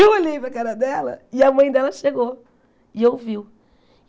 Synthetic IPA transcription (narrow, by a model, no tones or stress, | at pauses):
iwolejpɾɐkazɐd̪ɛlɐ̰ɪɐmɐ̃j̃d̪ɛlɐʃeɡo | ɪewviw